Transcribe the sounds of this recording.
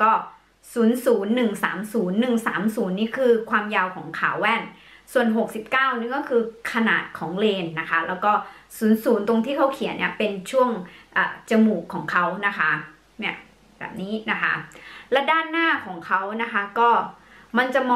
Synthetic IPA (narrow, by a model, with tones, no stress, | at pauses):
kɔː˥˩ | suː˩˦nsuː˩˦nːɯ˨˩ŋsa̰ː˩˦msuː˩˦nːɯ˨˩ŋsa̰ː˩˦msuː˩˦nːiː˥˩kʰɯː˧kʰwaː˧mjaː˧wkʰɔ̰ː˩˦ŋkʰa̰ː˨˩˦wːɛː˥˩n | su˨˩ənɦo˨˩k̚si˨˩p̚kaː˥˩wniː˥˩kɔː˥˩kʰɯː˧kʰa˧na̰ː˨˩t̪̚kʰɔː˩˦ŋleː˧nːa˦˥kʰa˦˥lɛː˦˥wkɔː˥˩suː˩˦nsuː˩˦nt̪o˧ŋt̪ʰiː˥˩kʰa˦˥wkʰi˨˩˦ənːḭ˥˩ɐpe˧nt͡ɕʰu˥˩əŋʔa̰ː˨˩t͡ɕa˧muː˨˩kʰːɔː˩˦ŋkʰa˦˥wna˦˥kʰa˦˥ | ni˥˩ɐ | bɛ̰ː˨˩p̚niː˦˥na˦˥kʰa̰˦˥lɛ˦˥daː˥˩nːaː˥˩kʰɔː˩˦ŋkʰa˦˥wna˦˥kʰa˦˥kɔː˥˩ | ma˧nt͡ɕa˨˩mɔː˧